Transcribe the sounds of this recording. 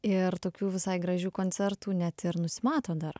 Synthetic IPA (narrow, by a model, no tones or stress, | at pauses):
ɪɾt̪oːkʲuːʋʲɪsɐɪɡɾɐʒʲuːkoːnʲt͡s̪ʲɛɾt̪uːnʲɛt̪ɪɾnʊsʲɪmɑːt̪oːd̪ɐr